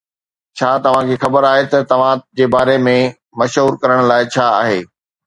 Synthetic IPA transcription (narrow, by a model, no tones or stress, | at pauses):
t͡ɕʰaːt̪ɐʋ̤ãkʰeːxɐbəɾaːɦet̪ɐt̪ɐʋ̤ãd͡ʑeːbaːɾemẽ | mɐʃɦuːɾkɐɾəɽ̃laːɪt͡ɕʰaːa̰ːɦeː